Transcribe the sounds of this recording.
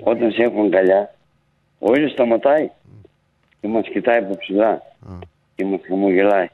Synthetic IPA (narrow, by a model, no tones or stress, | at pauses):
o̞t̪ɐnsexuŋɡɐʎɐ | oiʎost̪ɐmɐt̪ɐi | cemɐscit̪ɐipopsila | cemɐsxɐmoʝelɐi